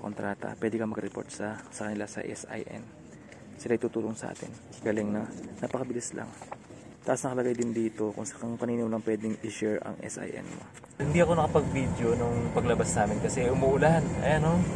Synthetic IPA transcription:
kont̪ɾʔaːt̪ɐ̰pwɛːd̪ɪkɐmɐɡɾɛpo̰ɹt̪̚sɐsɐkɐnɪlasɐ̰ʔɛ̰sa̰jʔɛ̰n | sɪlaʔɪt̪uːt̪uːloŋsɐʔa̰ːt̪ɪ̰n | ɡ̥aːlɪŋnɐnapɐkɐbɪlɪsla̰ŋ | t̪ɐʔɐsnɐkɐlɐɡajd̪ɪnd̪iːt̪o̞kʊŋɐŋpɐninɪmolɐŋpwɛːd̪ɪŋɪʃɛɹɐ̰ŋʔɛ̰sʔa̰jʔɛ̰nmo̰ | hɪnd̪iɐko̞nɐkɐpɐɡ̚vid̪jo̞nʊŋpɐɡlɐbasnaːmɪnkɐsɛʊmuʔʊlanɐ̰jɐno

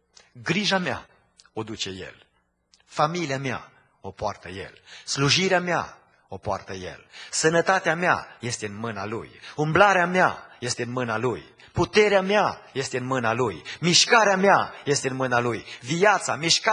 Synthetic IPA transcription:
ɡɾiʒamea̰ | o̞d̪ut͡ʃe̞je̞̰l | familiamea̰ | o̞poart̪əje̞̰lsluʒiɾeamea̰ | o̞poa̰rt̪əje̞̰lsənət̪at̪eamea̰je̞st̪eɨnmɨnalṵjumblaɾeama̰je̞st̪e̞ɨnmɨnaluj | put̪e̞ɾeameaje̞st̪e̞ɨnmɨnalujmiʃkaɾeameaje̞st̪eɨnmɨnalujvijat̪samiʃka

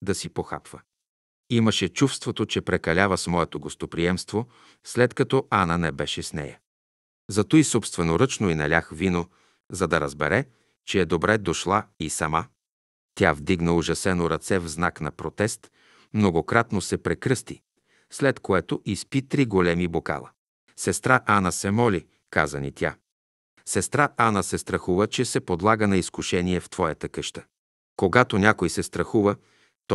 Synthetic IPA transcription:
d̪ɐsipoxa̰pv̥ə | iməʃɛt͡ʃufst̪vot̪ot͡ʃɛpɾɛkɐlʲavəsmɔɛt̪oɡost̪opɾiɛmst̪vo | slɛt̪kɐt̪ɔanənɛbɛʃɛsnɛ̰jə | zɐt̪oisopst̪vɛnoɾɤt͡ʃnoinɐ̰lʲaxvino | zɐd̪ɐɾəzbɛɾɛ | t͡ʃɛːd̪obɾɛd̪oʃlˠaisɐma | t̪ʲjavd̪iɡnəʊʒɐsɛnoɾɐt̪sɛvznaknɐ̰pɾot̪ɛst̪ | mnoɡokɾat̪nosɛpɾɛkɾɤst̪i | slɛt̪koɛt̪oʔispit̪ɾiɡolɛmiboka̰lˠə̰ | sɛst̪ɾaʔanəsɛmɔlʲi | kazənit̪ʲja | sɛst̪ɾaʔanəsɛst̪ɾɐxuvət͡ʃɛsɛpod̪lˠaɡənɐiskuʃɛniɛft̪v̥ɔjət̪əkɤʃt̪ə̥ | koɡat̪onʲakojsɛst̪ɾɐxuvə | t̪ɔ

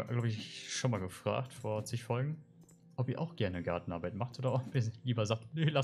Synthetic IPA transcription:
ɡ̥laʊbəɪççʃonmaːlɡəfʁ̥a̰ːktfoːɐt͡sɪçfɔlɡŋ̩ | ʔɔpiːɐʔaʊxɡ̥ɛɐnəɡaɐtn̩ʔaɐbaɪtmaχtʔoːdɐʔɔpiɐliːbɐzaːktnela

